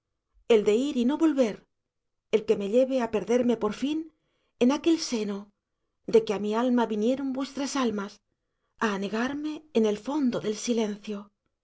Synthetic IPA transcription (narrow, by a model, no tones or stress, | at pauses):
e̞ld̪e̞iɾino̞βo̞lβe̞ɾ | elke̞me̞ʎe̞βe̞ape̞ɾðe̞ɾme̞po̞ɾfin | enake̞lse̞no̞ | d̪e̞keamialmaβinje̞ɾombwe̞st̪ɾasalmas | aːne̞ɣaɾme̞ːne̞lfo̞nd̪o̞ðe̞lsile̞nθjo̞